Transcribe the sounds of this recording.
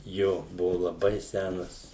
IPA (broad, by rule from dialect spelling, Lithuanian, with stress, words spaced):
ˈjoː ˈbʊʋʊ lˠɐˈbɐɪ ˈsʲænɐs